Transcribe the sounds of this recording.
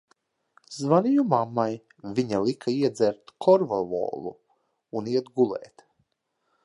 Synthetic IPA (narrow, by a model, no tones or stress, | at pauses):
zvanʲijumamːaj | vʲiɲalˠikʰaiɛd̪zɛɾt̪kʰɔɾvɔvɔ̰ːlˠṵ | uniɛt̪ɡulˠɛ̰ːt̪